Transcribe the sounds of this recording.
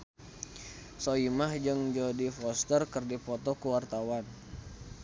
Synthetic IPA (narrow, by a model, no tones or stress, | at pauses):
soimahd͡ʒɨŋd͡ʒodifɔst̪ərkərdipɔt̪ɔkuwart̪awan